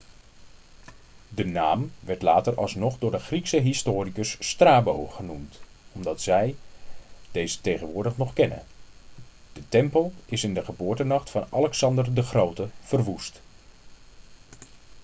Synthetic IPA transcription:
dənaːmʋɛɹtlaːtərɑ̰lˠsnɔχdʊːɹdəχriksəɦɪstʊːrikəsːtraːbowχənumt | ɔmdɑtsɛj | d̥ejzətejχənʋʊːɹdəχnɔχkɛnə̰n | d̥ətɛmpəlˠɪsɪndəχəbʊːɹtənɑχtfɑnɑlɛksɑndərdəχrowtəv̥ərʋust

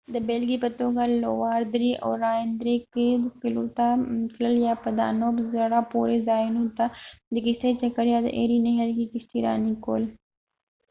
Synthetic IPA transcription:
d̪əbeːlɡipɐt̪oːɡalowaːɾd̪ɾiʔo̰ːɾaːnd̪ɾeked̪kɪlot̪akʰləljapɐd̪a̰ːnoːbzɐɽapoːɾezaːinũt̪ad̪əkɪʃt̪et͡ʃɐkəɾjad̪ə̰ʔḛːɾineɦəlkikɪst̪iɾa̰ːniko̰ːl

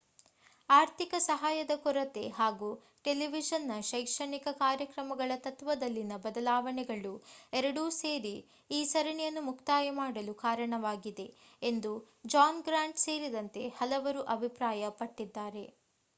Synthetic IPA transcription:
aːɾt̪ikɐsɐɦaːjɐd̪ɐkɔɾɐt̪e̞ɦaːɡuː | ʈeliʋid͡ʒɐnːɐʃɐjkʂɐɳikɐkaːɾjɐkɾɐmɐɡɐɭɐt̪ɐt̪ʋɐd̪ɐlːinɐbɐd̪ɐlaːʋɐɳɛɡɐɭuɛɾɐɽuse̞ːɾi | iːsɐɾɐɳɛjɐnːumukt̪aːjɐmaːɽɐlukaːɾɐɳɐʋaːɡid̪e̞ | end̪u | d͡ʒaːnɡɾaːɳʈse̞ːɾid̪ɐnt̪e̞hɐlɐʋɐɾuʔɐbʱipɾaːjɐpɐʈːid̪ːaːɾe̞

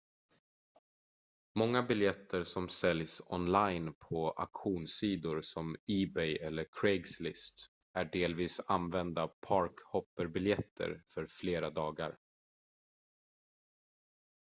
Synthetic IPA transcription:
mɔŋːabɪljɛt̪ʰːəɾsɔmsɛljsɔnlajnpʰɔa̰kɧuːnsiːd̪ʊɾsɔmiːbɛjʔɛlːəɾkʰɾɛɡslɪst̪ | æɖeːlviːsanvɛnd̪apʰɑɾkhɔpːəɾbɪljɛt̪ʰːə̰ɾfœɾfleːɾad̪ɑːɡa̰ɾ

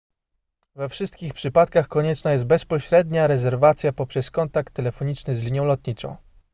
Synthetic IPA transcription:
vɛfʂɘst̪kʲixpʂɘpat̪kaxkɔɲɛt͡ʂnajɛst̪̚bɛspɔɕɾɛd̪ɲaɾɛzɛɾvat̪sʲjapɔpʂɛskɔnt̪ak̚t̪ːɛlɛfɔɲit͡ʂnɘzlʲiɲjɔ̃w̃lɔt̪ɲit͡ʂɔ̰̃w̃

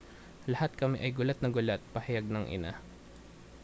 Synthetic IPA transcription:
lɐhat̪̚kɐmɪ̰ʔɐjɡʊlat̪̚nɐɡʊlat̪̚pɐhɐjaɡ̚nɐŋʔɪ̰na̰

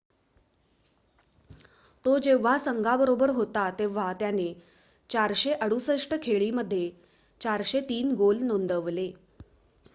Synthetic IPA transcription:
t̪od͡ʑeʋ̤asəŋɡʱabəɾobəɾɦot̪at̪eʋ̤at̪jane | t͡ɕaɾɕeʔəɽusəʂʈəkʰeɭiːməd̪ʱːje | t͡ɕaɾɕet̪iːnɡolnond̪əʋle

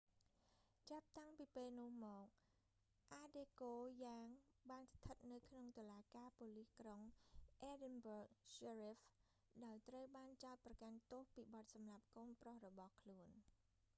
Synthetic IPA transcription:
t͡ɕap̚t̪aŋpiːpeːlnʊ̆əhmɔːk̚ | ʔaːɗeːkoːjaːŋɓaːnst̪ʰət̪̚nɨwkʰnoŋt̪olaːkaːpoːlihkroŋʔeːɗɛnbərk̚serif | ɗaɔjt̪rəwɓaːnt͡ɕaɔt̪̚prɑkant̪ŏəhpiːɓɑt̪̚sɑmlap̚koːnprohrɔɓɑhkʰluən

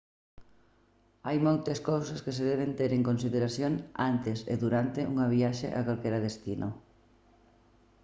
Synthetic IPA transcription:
ajmowt̪eskowsɐskeseðɛβent̪eɾeŋkonsiðeɾasjoŋant̪esḛðuɾant̪eʔuŋɐβiaʃḛʔa̰kalkɛɾaðest̪inʔo

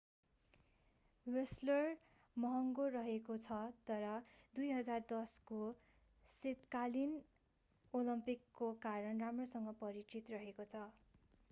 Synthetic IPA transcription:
weslʌr | mʌɦʌŋɡorʌɦekot͡sʰʌt̪ʌɾʌd̪ujɦʌd͡zard̪ʌsko | set̪kalin | olʌmpikːokaɾʌnramrosʌŋɡʌpʌɾit͡sit̪rʌɦekot͡sʰʌ

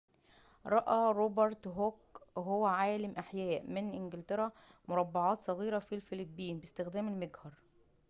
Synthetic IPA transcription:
ɾˤɑʔɑɾˤoːbɑɾˤt̪ɦokɦowːæʕaːlɪmʔaħjæːʔmɪnʔɪnɡɪlt̪eɾæmʊɾˤɑbːɑʕɑːt̪sˤɑɣiːɾæfilfɪlibːiːnbɪst̪ɪxd̪æːmɪlmeɡhɑɾˤ

